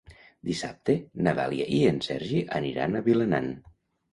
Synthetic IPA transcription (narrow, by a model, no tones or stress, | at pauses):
d̪isap̚t̪enaða̰lˠia̰ʔiensɛɾʒiʔəniɾa̰nəβiləna̰n